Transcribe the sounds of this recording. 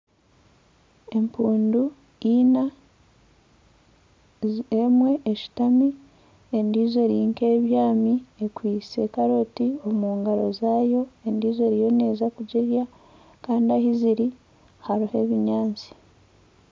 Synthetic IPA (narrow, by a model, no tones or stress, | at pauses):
e̞mpuːndu | ina | emwe̞ʔeʃi̥tami | endiːze̞ɾiːŋkeːβjaːmiekwiːse̞kaɾo̞tio̞muːŋɡaɾo̞zaːjo̞endiːzo̞ɾijo̞ne̞ːzakuɟeɾja | kaːndiahiziɾi | haɾuhe̞βiɲaːnt͡si̥